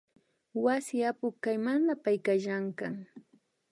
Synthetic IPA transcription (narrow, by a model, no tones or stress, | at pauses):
wasɪapʊkajmanlapajkaʃaŋkaŋ